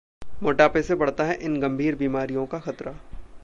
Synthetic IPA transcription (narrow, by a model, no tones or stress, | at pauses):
moːʈaːpesebɐɽ̤t̪aɦɛʔɪnɡɐmbʱiːɾbiːmaːɾijõkaxɐt̪ɾa